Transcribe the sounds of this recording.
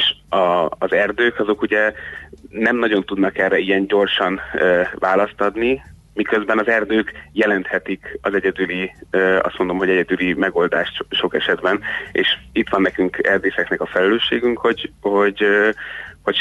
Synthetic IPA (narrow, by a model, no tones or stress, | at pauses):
eʃɒːzɛrd̪øːkɒzo̞kuɟɛ | nɛmnɒɟo̞n̪t̪ud̪nɒkɛrːɛijɛnɟo̞rʃɒnøːvaːlɒst̪ɒd̪ni | mikø̞zbɛnɒzɛrd̪øːkjɛlɛnt̪hɛt̪ikɒzɛɟɛd̪yliøɒ̰st̪mo̞nd̪o̞mɦo̞ɟɛɟɛd̪ylimɛɡo̞ld̪aːʃt̪ʃo̞kɛʃɛd̪bɛnḛːʃit̪ʋɒnːɛkyŋkɛrd̪øːsɛknɛkɒfɛlɛløːʃːeːɡyŋkho̞ɟho̞ɟ | ho̞c